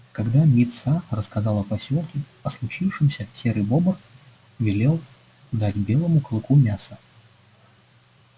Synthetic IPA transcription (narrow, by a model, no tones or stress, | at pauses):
kɐɡd̪amʲit̪sarəskɐzɑlˠɐpɐsʲolˠkʲɪ | ɐslˠʊt͡ɕifʂɨmsʲəsʲeɾɨjbobər | vʲɪlʲe̞lˠ | d̪atʲbʲe̞lˠəmʊklˠkumʲasə